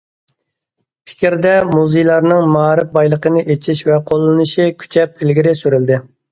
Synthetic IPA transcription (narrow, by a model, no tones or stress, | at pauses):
pʰɪ̥kʲɾd̪ɛmuzejlˠɑɾnɨŋmɑɾɨp̚bɑjlˠəqənɨʔet͡ʃʰiʃvɛqʰolˠːɨnɨʃikʲʰy̥t͡ʃʰɛp̚ɪlɡʲiɾɪsyɾyld̪ɪ